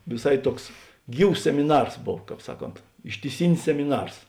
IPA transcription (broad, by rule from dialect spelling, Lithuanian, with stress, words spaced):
ʋʲɪˈsɐɪ ˈtuɔks ˈɡʲiːws sʲɛmʲɪˈnɐrs ˈboːw ˈkɑːp ˈsɑːˌkoːnt ɪʃʲtʲɪˈsʲɪnʲɪs sʲɛmʲɪˈnɐrs